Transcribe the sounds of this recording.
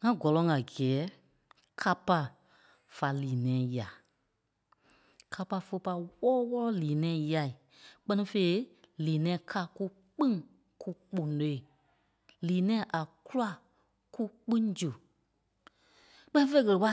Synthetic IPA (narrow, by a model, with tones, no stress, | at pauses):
ŋã˦ɡɔ˨lɔ̃˨˦ŋã˨ɡi˨ɛː˨˦ | kʰa˧pa˧ | fa˨liː˨nɛ̃ː˨˦ja˨ | kʰa˧pa˧fə˧pa˧˦wɔː˦wɔ˦lɔ˦liː˨nɛ̃ː˨˦˨ja˧i˨ | k͡pɜ˦nĩ˧fe˧i˦liː˨nɛ̃ː˨˦kʰa˧˨ku˦ | k͡pĩ˦ | kʰu˦k͡põ˨no˨˦i˦˨ | liː˨nɛ̃ː˦ʔa˨ku˦la˦ | ku˦k͡pĩ˦d͡ʒu˨ | k͡pɜ˦nĩ˦fe˧˦ɣə˧lə˨ɓa˦